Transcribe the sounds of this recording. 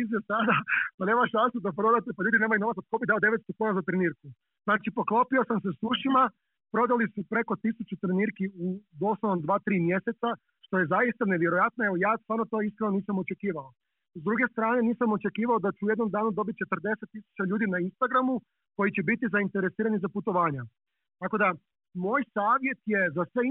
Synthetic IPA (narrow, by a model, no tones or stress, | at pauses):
izesad̪apane̞ːmaʃansud̪apɾo̞d̪at̪epaʎuːd̪inemajuno̞ʋat̪at̪ko̞biɦd̪aod̪e̞ʋet̪st̪o̞kuːnazat̪ɾeniːɾku | znaːt͡ʃipo̞klˠo̞pio̞samsesuʃima | pɾo̞d̪alisupɾe̞ko̞t̪isut͡ʃut̪ɾeniːɾkiud̪o̞sloʋomd̪ʋaːt̪ɾiːmje̞se̞t̪sa | ʃt̪o̞je̞zajist̪ane̞ʋje̞ɾojat̪noeojaːst̪ʋaːɾno̞t̪oiskɾeno̞niːsamot͡ʃe̞kiːʋao | zd̪ɾuɡe̞st̪ɾaːne̞niːsamo̞t͡ʃe̞kiːʋaod̪at͡ʃuujed̪no̞md̪aːnud̪o̞bit̪̚t͡ʃe̞t̪rd̪e̞set̪ːisu̥t͡ɕaʎuːd̪inainst̪aɡɾamu | ko̞jit͡ɕebit̪izaint̪e̞ɾesiːɾanizaput̪o̞ʋaːɲa | t̪ako̞d̪a | moːjsaːʋje̞t̪je̞zasʋe